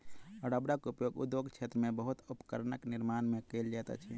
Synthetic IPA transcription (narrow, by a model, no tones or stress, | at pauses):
əɖəbɾakupjoɡṵd̪joɡt͡ʃʰet̪ɾəmebəɦut̪upkəɾnəkniɾmanmekeld͡ʒɛt̪a̰t͡ʃʰi